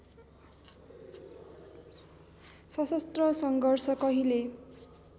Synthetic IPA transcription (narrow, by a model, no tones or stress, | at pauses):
sʌsʌst̪rʌsʌŋɡʌrsʌkʌɦile